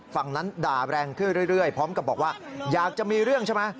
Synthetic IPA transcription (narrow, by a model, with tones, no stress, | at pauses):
fa˨˩ŋna˦˥ndaː˨˩ɾɛː˧ŋkʰɯ˥˩nɾɯ˥˩ɾɯ˥˩əjpʰɔː˦˥mka˨˩p̚bɔː˨˩kwaː˥˩jaː˨˩k̚t͡ɕa˨˩miː˧ɾɯ˥˩əŋt͡ɕʰa˥˩ma˦˥